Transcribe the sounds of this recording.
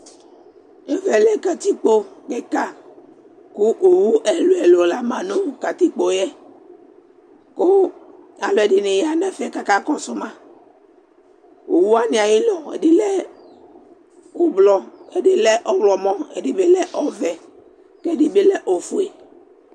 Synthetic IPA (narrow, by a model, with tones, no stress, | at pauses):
e˦vɛ˨lɛ˦ka˨t̪i˦k͡po˦kɛ˦ka˦ | ku˦ʔo˨wu˦ʔɛ˨lo˨ɛ˨lo˨la˦mã˨nõ˦ka˨t̪i˦k͡po˨jɛ˦ | ko˦a˨lɔ˨ɛ˨dɪ˨ne˨ja˦nɛ̃˦fɛ˦ka˦ka˦kɔ˦sʊ˦mã˦ | o˨wu˦a˦nĩ˨a˨ji˦lɔ˨ḛ˨dɪ˦lɛ˦ | o˦blɔ˨e˦dɪ˦lɛ˦ʔɔ˦blɔ˨mɔ̃˦ḛ˨di˦be˦lɛ˦ʔɔ˦vɛ˨ | kɛ˦di˨be˦lɛ˦ʔo˨fu˦e˨